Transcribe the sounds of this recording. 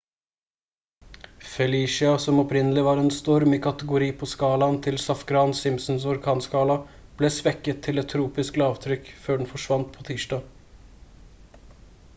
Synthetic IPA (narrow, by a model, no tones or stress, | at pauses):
fɛliːʂɪɑsɔmɔpɾɪnəlɪʋɑːɾɛnst̪ɔɾmɪkʰɑt̪əɡʊɾiːpʰɔskɑːlɑnt̪ʰɪlsɑfkɾɑːnsɪmsn̩sɔɾkʰɑːnskɑːlɑb̥leːsʋɛkːət̪ʰːɪlɛt̪ʰːɾuːpɪsklɑːʋt̪ʰɾʏkːføːɖɳ̩fɔʂʋɑnt̪pʰoːt̪ʰiːʂdɑː